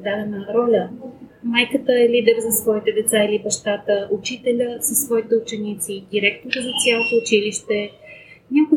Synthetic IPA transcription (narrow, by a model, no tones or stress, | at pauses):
d̪ad̪ɛnəɾɔlʲə | majkət̪əɛlid̪ɛɾzɐsvɔit̪ɛd̪ɛt̪sailibɐʃt̪at̪əʔʊt͡ʃit̪ɛlʲəsɐsːvɔit̪ɛʊt͡ʃɛnit̪sid̪iɾɛkt̪oɾəzɐt̪sʲjalˠot̪oːt͡ʃiliʃt̪ɛ | nʲakʊ